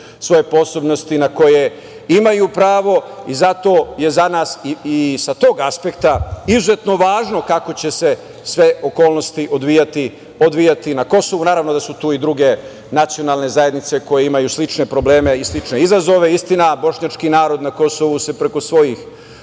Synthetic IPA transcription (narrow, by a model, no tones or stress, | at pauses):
sʋo̞je̞po̞so̞bno̞st̪inako̞je | imajuːpɾaːʋo̞izat̪o̞je̞zanaːsiisat̪o̞ːɡaspe̞kt̪aizuze̞t̪no̞ʋaːʒno̞kako̞t͡ɕe̞se̞ | sʋeoko̞ːlno̞st̪iʔod̪ʋijat̪i | od̪ʋijat̪inako̞so̞ʋunaːɾaʋnod̪asut̪uːid̪ɾuɡe̞ | nat̪sijo̞nalˠne̞zaje̞d̪nit̪se̞ko̞jeimajuːslit͡ʂne̞pɾo̞bleːme̞islit͡ʃne̞izazo̞ʋe̞ist̪inabo̞ʃɲat͡ʃkinaːɾo̞d̪nako̞so̞ʋuse̞pɾe̞ko̞sʋo̞jix